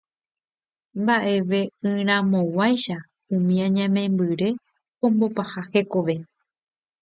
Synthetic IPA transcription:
mbaʔe̞ʋe̞ɨ̃ɾ̃ãmõ̞wajʃa | ũmĩãɲãmẽ̞mbɨɾe̞ | õ̞mbo̞pahahe̞ko̞ʋe̞

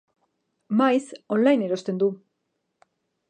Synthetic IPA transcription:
majso̞nlajne̞ɾo̞st̪e̞nd̪u

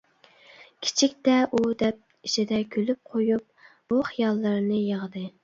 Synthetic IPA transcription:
kʲʰi̥t͡ʃʰik̚ʲt̪ɛʔud̪ɛp̚ | iʃʰid̪ɛkʲʰølyp̚qʰojup̚ | b̥uχijɑlˠːɨɾnɨjəʁəd̪ɨ

